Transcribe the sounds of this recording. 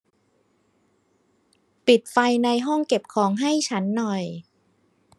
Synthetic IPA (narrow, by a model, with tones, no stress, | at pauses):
pi˨˩t̪̚fa˧jna˧jɦɔ˥˩ŋke˨˩p̚kʰɔː˩˦ŋɦa˥˩jt͡ɕʰa˦˥nːɔ˨˩j